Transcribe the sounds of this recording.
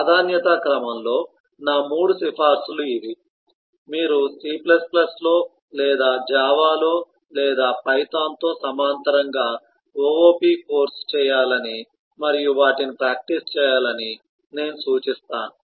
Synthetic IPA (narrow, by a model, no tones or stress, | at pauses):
aːd̪ʱaːnjɐt̪ɐkɾɐmɐmlo̞ː | naːmuːɽusifʰaːɾsuluid̪i | miːɾusiːplɐsplɐslo̞ː | lɛːd̪aːd͡ʒaːʋaːloː | lɛːd̪aːpɐjt̪aːnt̪o̞ːsɐmaːnt̪ɐɾɐŋɡaː | ooːpiːko̞ːɾst͡ʃɛːjaːlɐni | mɐɾijuʋaːʈinipɾaːk̚ʈist͡ʃɛːjaːlɐni | ne̞ːnusuːt͡ʃist̪aːnu